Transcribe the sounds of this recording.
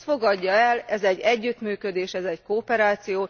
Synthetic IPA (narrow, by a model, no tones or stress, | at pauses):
fo̞ɡɒɟːɒɛlɛzɛɟːɛɟːyt̪myːkø̞d̪eːʃɛzɛckoːpɛɾaːt̪sijoː